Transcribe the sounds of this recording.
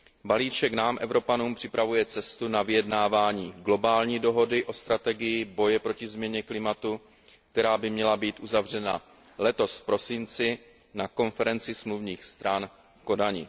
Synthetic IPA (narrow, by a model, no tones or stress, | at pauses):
baliːt͡ʃɛknaːmʔɛvɾo̞panuːmpr̥ɪpɾavujɛt͡sɛst̪unavɪjɛdnaːvaːɲiːɡlo̞baːlɲiːdo̞ɦo̞dɪʔo̞st̪ɾat̪ɛɡɪjɪbo̞jɛpɾo̞cɪzmɲɛɲɛklɪmat̪u | k̚t̪ɛɾaːbɪmɲɛlabiːt̪ʔuzavr̝ɛna̰ | lɛt̪o̞sfpɾo̞sɪnt͡sɪ | nako̞nfɛɾɛnt͡sɪsmluvɲiːxst̪ɾan | fko̞daɲɪ̰